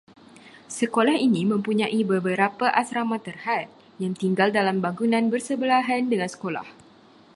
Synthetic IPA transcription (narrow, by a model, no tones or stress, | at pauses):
səkolahinimə̃mpuɲãʔibəbəɾapaʔasɾamãt̪ərhat̪̚ | jaŋt̪iŋɡaldalambaŋɡunãnbərsəbəlaɦandəŋãnsə̥kola̰h